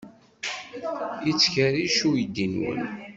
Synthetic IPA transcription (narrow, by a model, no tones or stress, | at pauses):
jit͡sːçəɾiʃujəd̪ːinwə̰n